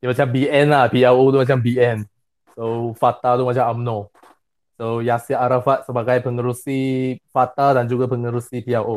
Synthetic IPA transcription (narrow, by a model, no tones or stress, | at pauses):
imat͡ʃãmbiɛ̃nlapiawod̪umat͡ʃãmbiɛ̃n | sofat̪adumat͡ʃãmãmnɔ | sojasiʔaɾafat̪̚səbaɡajpʰəŋəɾusifat̪adãnd͡ʒuɡapəŋəɾusipiawʔo